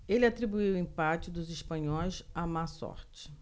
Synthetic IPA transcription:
elɪat̪ɾibuiwĩpat͡ʃɪd̪ʊziʃpɐ̃ɲɔjsamasɔ̰ɾt͡ʃɪ̥

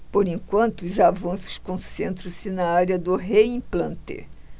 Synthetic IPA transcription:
poɾĩŋkwɐ̃nt̪ʊʊzavɐ̃sʊ̥ʃkõsẽnt̪ɾɐ̃sɪnɐaɾjɐd̪ʊɦeĩplɐ̃nt̪ḛ

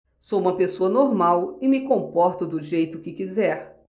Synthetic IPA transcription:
sowũmɐpesoɐnoɾmawɪmɪkõpɔɾt̪ʊd̪ʊʒejt̪ʊkɪkizɛɾ

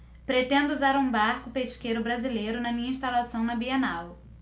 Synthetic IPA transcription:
pɾet̪ẽnd̪ʊuzaɾũbaɾkʊpeʃkejɾʊbɾazilejɾʊnɐmĩɲɐĩʃt̪alasɐ̃w̃nɐbiɐnaw

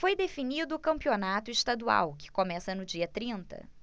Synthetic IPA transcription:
fojd̪efinid̪ʊːkɐ̃mpionat̪ʊɪʃt̪ad̪ua̰wkɪ̥komɛsɐnʊd͡ʒiɐt̪ɾĩnt̪ɐ̰

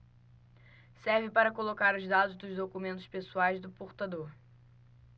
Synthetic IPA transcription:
sɛɾvɪpaɾɐkolokaɾʊzd̪ad̪ʊzd̪ʊzd̪okumẽnt̪ʊ̥ʃpesuajzd̪ʊpoɾt̪ad̪oɾ

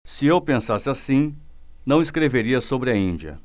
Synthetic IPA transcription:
sɪewpẽsasɪasĩ | nɐ̃w̃ɪskɾeveɾiɐsobɾɪɐĩd͡ʒiɐ̰

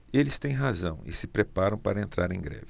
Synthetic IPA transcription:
elɪst̪ẽj̃ɦazɐ̃w̃ɪ̰sɪpɾepaɾɐ̃w̃paɾɐẽnt̪ɾaɾẽj̃ɡɾɛ̰vi

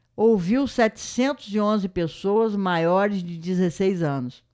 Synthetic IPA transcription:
owviwsɛt͡ʃɪ̥sẽnt̪ʊzɪõzɪpesoɐzmajɔɾɪzd͡ʒɪd͡ʒɪzesejzɐ̃nʊs

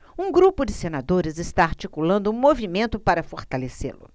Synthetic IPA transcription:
ũɡɾupʊd͡ʒɪsenad̪oɾɪzɪst̪aaɾt͡ʃikulɐ̃nd̪ʊũmovimẽnt̪ʊpaɾɐfoɾt̪alesḛlʊ̰

